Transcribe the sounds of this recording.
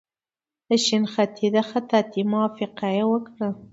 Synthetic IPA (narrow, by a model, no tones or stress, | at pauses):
d̪əʃinxat̪ʰid̪axat̪at̪imɑfɪqajawəkɽə